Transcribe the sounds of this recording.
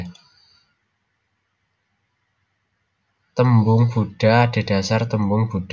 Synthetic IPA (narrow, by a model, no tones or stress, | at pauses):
t̪əmbʊŋb̥uɖ̥a̤ːɖ̥e̤ɖ̥a̤sart̪əmbʊŋb̥uɖ̥